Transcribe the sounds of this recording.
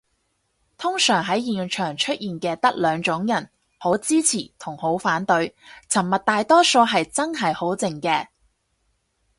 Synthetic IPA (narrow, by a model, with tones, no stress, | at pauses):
t̪ʰʊ˥ŋsœː˨˩ŋɦɐ˨˥jjiː˨nt͡ʃʰœː˨˩ŋt͡ʃʰɵ˥t̚jiː˨nkɛː˧t̪ɐ˥k̚lœː˨˧ŋt͡ʃʊ˨˧˥ŋjɐ˨˩n | ho˨˥wt͡siː˥t͡sʰiː˨˩t̪ʰʊ˨˩ŋho˨˥wfaː˨˥nt̪ɵ˨˥ɥt͡sʰɐ˨˩mmɐ˨t̚t̪aː˨jt̪ɔː˥so˧ɦɐ˨jt͡sɐ˥nɦɐ˨jho˨˥wt͡sɪ˨ŋkɛː˧